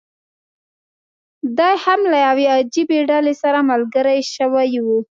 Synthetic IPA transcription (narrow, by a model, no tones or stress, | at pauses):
d̪ɑjhamlajawead͡ʒibeɖalesaɾamalɡəɾajʃəwajwu